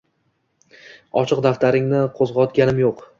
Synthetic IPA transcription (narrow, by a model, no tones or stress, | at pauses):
ɒt͡ʃʰɪq̚d̪aft̪ʰaɾɪŋnɪqʰozʁɒt̪ɡʲanɪmjoq